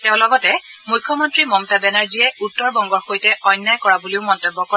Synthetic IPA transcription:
tɛʊ̃lɔɡɔtɛ | mujkʰːɔmɔntɹimɔmtabɛnaɹzijɛutːɔɹbɔŋɡɔɹxojtɛʔɔjnːajkɔɹabuliʊmɔntɔbːɔkɔ

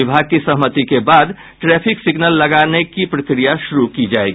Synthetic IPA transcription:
ɪbʱaɡ̚kisɐɦmət̪ikebaːd̪ | ʈɾɛːpʰɪksɪɡnəlːɐɡaːnekipɾɐkɾijaʃʊɾukid͡ʒaːeɡi

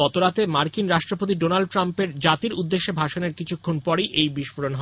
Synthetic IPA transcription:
ɔt̪oɾat̪emaɾkinɾaʃʈɾopot̪̬iɖonalɖ̚ʈɾampeɾd͡ʑat̪iɾud̪ːeʃːebʱaʃoneɾkit͡ɕʰukʰːonpɔɾejʔejbiʃfoɾonɦɔ

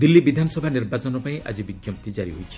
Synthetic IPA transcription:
d̪ilːibid̪ʱanɔsɔbʱaniɾbat͡ʃɔnɔpaĩʔʔa̰d͡ʒibiɡjɔmpt̪id͡ʒaɾiɦojt͡ʃʰi̥

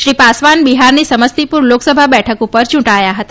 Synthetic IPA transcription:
ʃɾipasʋanbiɦaɾnisəməst̪ipuɾloksəbʱabɛʈʰəkupəɾt͡ʃũʈajaɦət̪a

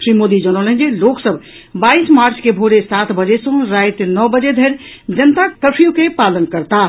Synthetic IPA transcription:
ʃɾimod̪id͡ʒəñəlɦə̃nd͡ʒeloksəb | baismaɾt͡ʃkebʱoɾesat̪ʰbəd͡ʒesə̃ɾajt̪nɔbəd͡ʒed̪ʱeɾ | d͡ʒənt̪akəpʰijukepalənkəɾt̪a

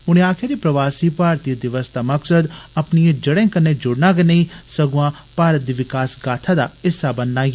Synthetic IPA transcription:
ʊɽ̃ẽaːkʰɪjaɾipɾɐʋaːsipaːɾt̪iəd̪ɪʋəst̪ʰamɐksəd̪ɐpniẽd͡ʒɐɽẽːkɐnːed͡ʒʊɽnãɡenɐĩsɐɡuãpaːɾət̪̚d̪iʋɪkaːsɡaːt̪ʰad̪aɪsːabɐndãːɡ

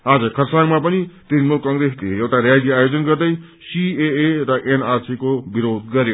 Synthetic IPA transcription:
ad͡zʌkʰʌrsaŋmapʌnit̪ɾinmulkʌŋɡɾesleewʈaɾjad̪jʌajod͡zʌnɡʌrd̪ʌj | sieeɾʌʔenarsikobiɾod̪ɡʌɾjo

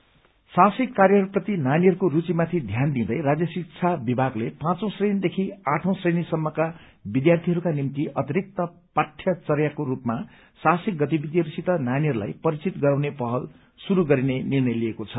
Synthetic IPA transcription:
sasikːarjʌɦʌɾuprʌt̪inaniɦʌɾukoɾut͡simat̪ʰid̪ʱjand̪ĩd̪ʌjɾad͡zjʌsikt͡sʰabibʱaɡlepãt͡sõw̃srenid̪ekʰiãʈʰõw̃srenisʌmːʌka | bid̪jart̪ʰiɦʌɾukanimt̪iʌt̪iɾik̚t̪ʌpaʈʰjʌt͡sʌrjakoɾupma | sasik̚ɡʌt̪ibid̪iɦʌɾusit̪ʌnaniɦʌɾula̰jpʌɾit͡sit̪ɡʌɾaw̃nepʌɦʌl | suɾuɡʌɾinenirnʌjliekot͡sʰʌ

